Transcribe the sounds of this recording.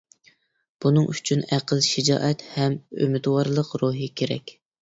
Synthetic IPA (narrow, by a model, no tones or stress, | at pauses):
b̥unɨŋʔyt͡ʃʰynæqəlˠʃɪd͡ʒɑ̰ːʔɛt̪hɛmø̰mɪt̪wɑɾlˠəqɾuɦikʲʰeɾɛ̰kʲ